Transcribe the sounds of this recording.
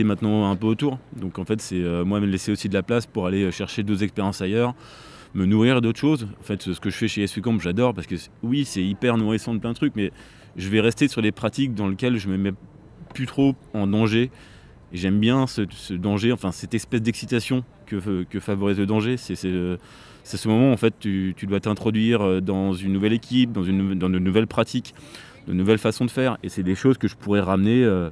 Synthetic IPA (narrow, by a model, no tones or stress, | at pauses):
ɛmɛ̃t̪nɑ̃ɛ̃pøot̪uːʁd̪ɔ̃kɑ̃fɛt̪sɛømwaməlɛseosid̪əlaplaspuʁaleøʃɛʁʃed̪ozɛkspeʁjɑ̃sajœʁ | mənuʁiʁed̪ot̪χə̥ʃozɑ̃fɛt̪sə̥kəʒəfɛʃeɛswikɑ̃pʒad̪ɔʁpaʁsə̥kəswisɛipɛʁnuʁisɑ̃d̪əplɛ̃d̪ət̪χyk̚mɛ | ʒəvɛʁɛst̪esyʁlepχat̪ik̚d̪ɑ̃ləkʲɛlʒəməmɛ | plyt̪χoɑ̃d̪ɑ̃ʒeː | ʒɛmbjɛ̃səsəd̪ɑ̃ʒeɑ̃fɛ̃sɛt̪ɛspɛsd̪ɛksit̪asjɔ̃ | kəkəfavɔʁizləd̪ɑ̃ʒesɛsɛø | sasəmɔmɑ̃ːfɛt̪ːyt̪yd̪wat̪ɛ̃t̪χɔd̪ɥiʁød̪ɑ̃zynːuvɛlekʲʰip̚d̪ɑ̃zynːd̪ɑ̃d̪ənuvɛlpχat̪ʰik | d̪ə̰nuvɛlfasɔ̃d̪əfɛːʁesɛd̪eʃozkəʒəpuʁɛʁamneø